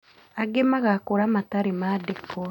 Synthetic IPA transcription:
aɡemaɣakoɾamataɾemadekːo

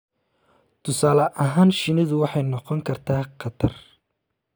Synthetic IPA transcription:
t̪ʰʊsaːlɐʔɐɦaːnʃɪnɪðʊwɑħɑjnɔqɔŋkʰɐrt̪ʰaːqʰɑt̪ʰɐr

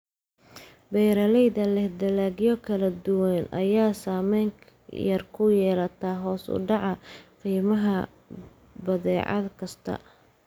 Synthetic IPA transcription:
bɛjɾɐlɛjðɐlɛhd̪ɐlaːɡjɔkʰɐlɐd̪ʊwɛnɐ̰jaːsaːmɛjŋʰ | jɐrkʰʊjɛːlɐt̪ʰɐɦɔːsʊ̰ɖɑʕɑqiːmɐɦɐ | bɐðɛːʕɑ̰d̪kʰɐst̪ʰɐ̰

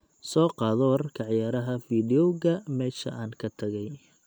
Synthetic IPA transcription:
sɔːqɑːðɔrkʰɑʕjaːɾɐɦɐfiːdɪɔɣɐmɛːʃɐ̰ʔaːnkʰɐt̪ʰɐɣɛj

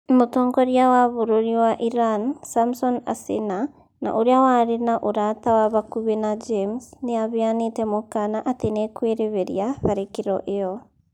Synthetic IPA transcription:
motɔːŋɡɔɾiawaβoɾoɾiwaʔiɾansamsɔna̰sḛna | na̰ʔoɾeawaɾenaʔoɾatawaβakuβɛnad͡ʒemsneaβeanetɛmokanaʔatenɛkweɾeβɛɾiaβaɾekeɾɔ̰ʔeɔ

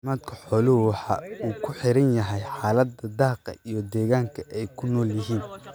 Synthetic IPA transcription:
maːd̪kʰɐħɔːlʊhʊwɑħɑ̰ːuːkʰʊħɪɾɐnjɐɦɛjħɑːlɐd̪ɐd̪ɑːqɐ̰ʔijɞd̪ɛːɣaːŋkʰɐʔɛjkʰʊnɔːljɪɦiːn

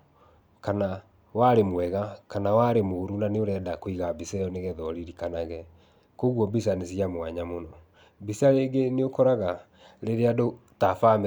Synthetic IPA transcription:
kana | waɾemwɛɣakanawaɾemoɾunaneoɾɛːdakoiɣabiseɔneɣɛðɔɾiɾikanaɣɛ | koɣwɔbis̬anesiamwaɲamonɔ | bisaɾeɡeneokɔɾaɣa | ɾeɾeadotafam

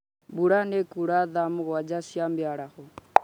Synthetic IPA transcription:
buɺanɛkuɺaðamɣad͡ʒasiambjaɺaɣɔ

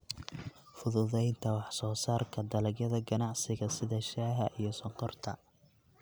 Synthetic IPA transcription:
fʊðʊðɛjnt̪ʰɐwɑħsɔːsaːrkʰɐd̪ɐlɐɡjɐðɐɡɐnɑʕsɪɣɐsɪðɐʃaːɦɐʔijɞsɐqɔrt̪ʰɐ̰

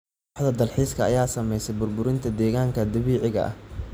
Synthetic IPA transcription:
ħd̪ɐd̪ɐlħiːskʰɐːjaːsɐmɛjsɛjbʊrbʊɾɪnt̪ʰɐd̪ɛːɣaːŋkʰɐd̪ɐβiːʕɪɣɐ̰ʔɐ̰h

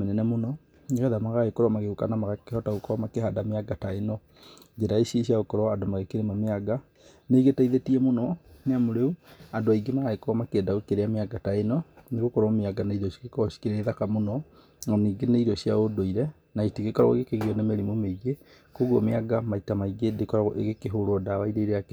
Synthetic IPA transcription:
mɛnɛnɛmonɔ | eɣɛðamaɣaɣekoɾɔmaɣeukanamaɣakehɔtaɣokɔɔmakeɦadameaɡataenɔ | d͡ʒeɾaesiesiaɣokɔɾɔadomaɣekeɾemameaɡa | neɡetaiðetiɛmonɔneamoɾeuadoaiɡemaɣaekoɾɔmakeɛdaɣokeɾeameaɡataenɔneɣokɔɾɔmeaɡanaiɾɔsi̥ɣekɔsi̥kiɾɛeðakamonɔ | nɔniːɡeneiɾɔsiaodoiɾɛ | naitiɣekɔɾɔ̰ɣo̰ɣekeɣiɔnemeɾimomeiɣe | koɣɔmeaɡamaitamaiɡedekɔɾaḛɣekeɦoɾoɔdawaiɾeɾeak

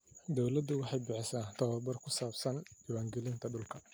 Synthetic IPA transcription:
d̪ɔwlɐd̪ːʊwɑħɑjbɪħɪsaːnt̪ʰɐwɐrbɐrkʰʊsaːbsɐniwaːŋɡɛlɪnt̪ʰɐɖʊlkʰɐ

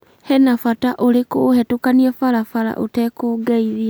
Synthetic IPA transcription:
hɛnafataʔoɾekohɛtokaniɛfaɾafaɾa̰ʔo̰tɛkoːɡɛiðia

